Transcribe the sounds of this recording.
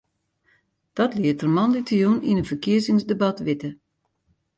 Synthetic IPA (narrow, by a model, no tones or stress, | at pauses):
d̥ɔtliətərmɑnlitəjuninənfərkiəzɪŋsdəbɑtʋɪtə